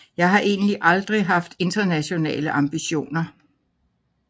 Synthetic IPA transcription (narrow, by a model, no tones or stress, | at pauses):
jɑ̈ɪɦɑ̈ʔe̝ːnliʔɑ̈ld̥ʁiɦɑ̈fd̥e̝nd̥ɐnæɕo̝nɛ̰ːləʔɑ̈mb̥iɕo̝̰ːnɐ